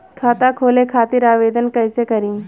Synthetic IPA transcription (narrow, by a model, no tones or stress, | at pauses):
kʰaːt̪akʰoːlekʰaːt̪ɪɾaːʋeːd̪ənkɐːsekɐɾĩː